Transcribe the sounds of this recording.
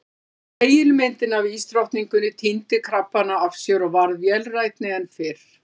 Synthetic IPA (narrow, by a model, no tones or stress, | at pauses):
eːjɪlmɪnt̪ɪnaviːst̪ɾawht̪niŋkʏnːɪt̪ʰint̪ɪkʰɾapːanaavsjœɾɔɣvaɾðjɛlrajt̪nɪɛnfɪɾ̥